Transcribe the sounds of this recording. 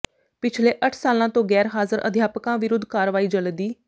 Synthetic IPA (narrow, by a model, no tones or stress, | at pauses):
pɪt͡ʃʰleːʔəʈʰsaːlãːt̪õːɡɛːɾɦaːzəɾʔə̰d̪ʱjaːpəkãːʋɪɾʊd̪ʱkaːɾʋaːiːd͡ʒələd̪iː